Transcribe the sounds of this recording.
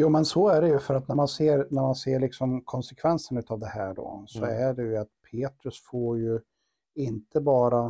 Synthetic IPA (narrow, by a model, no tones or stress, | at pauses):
juːmɛnsɔæɖɛjɵfœɾat̪næɾmanseːɾnæɾmanseːɭɪksɔmkʰɔnsɛkʰvɛnsənʉ̟ːt̪ɑːvd̪ɛhæːɖo̰sɔæɖɛjɵat̪̚pʰeːt̪ɾɵsfoːɾjɵ | ɪnt̪əbɑːɾa